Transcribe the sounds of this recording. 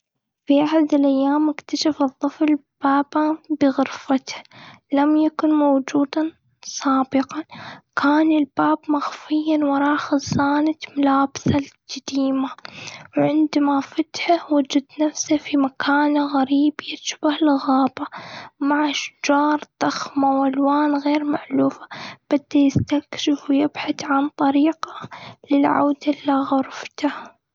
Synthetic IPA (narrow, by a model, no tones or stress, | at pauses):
fiʔaħad̪ɪlʔajːaːmʔɪkt̪aʃafɨðˤːɨflb̥aːbabɪɣʊɾfat̪h | lamjakʊnmowd͡ʒuːd̪a | sˤɑːbɪqɑkʰaːnɪlbaːbmaxfɪjːanwɑɾˤɑːxɪzˤːaːnat̪mʊlaːbsald͡ʒad̪iːmawʕɪnd̪mafat̪hawad͡ʒad̪nafsafimakʰaːnaɣaɾiːbjɪtʃbahlɣaːbamaʕʔaʃd͡ʒɑːɾˤd̪ˤɑxmawalwaːnɣeːɾmaʕluːfḁb̥ɪd̪ːajɪst̪akʃɪfwjɪbħaθʕant̪ˤɑɾiːqḁlɪlʕa̰wd̪aʔlaɣʊɾft̪a